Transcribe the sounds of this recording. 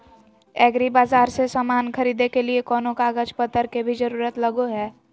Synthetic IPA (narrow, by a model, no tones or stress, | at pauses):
ɛːɡɾibaːzaːɾsesaːmaːnkʰɐɾiːd̪ekeliekɔːnõkaɡəd͡ʒpət̪ːəɾkebʱid͡ʒɐɾuːɾət̪lɐɡoɦɛː